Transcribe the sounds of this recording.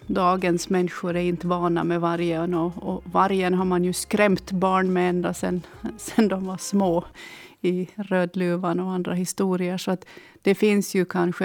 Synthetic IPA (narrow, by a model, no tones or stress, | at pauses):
d̪ɑːɡənsmɛnːɧʊɾɛɾɪnt̪əvɑːɳa̰mɛvaɾjənɔɔvaɾjənɦaɾmanjɵskɾɛmt̪bɑːɳmɛɛnd̪ɾasɛnsɛnd̪ɔmvaʂmoːɪɾøːd̪lʉːvanɔand̪ɾaɦɪst̪uːɾɪəʂɔat̪ | d̪̥ɛfɪnsjɵkʰanɧə